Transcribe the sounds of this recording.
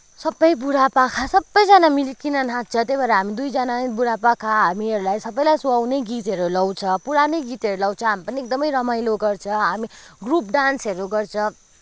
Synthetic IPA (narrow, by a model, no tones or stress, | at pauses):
sʌbːʌjbuɽapãkʰasʌbːʌjd͡zʌnamilikinʌnɦãt͡sʰʌt̪ebʌɾʌɦamid̪ujd͡zʌnabuɽapãkʰaɦamiɦʌɾulajsʌbːʌjlajsuawneɡit̪ʌɾulʌwt͡sʰʌpuɾaneɡit̪ʌɾulʌwt͡sʰʌ̃ɦamipʌniek̚d̪ʌmʌjɾʌmajloɡʌrt͡sʰʌɦamiɡrup̚ɖansʌɾuɡʌrt͡sʰʌ̃